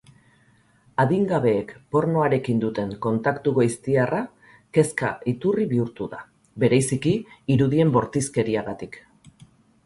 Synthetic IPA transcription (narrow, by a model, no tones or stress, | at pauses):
aðiŋɡaβe̞ːkpo̞ɾno̞aɾe̞kind̪ut̪e̞ŋko̞nt̪akt̪uɣojst̪iarʔa | ke̞ska̰it̪uriβiuɾt̪uða̰ | βe̞ɾajsikiːɾuðie̞mbo̞ɾt̪iske̞ɾiaɣat̪ik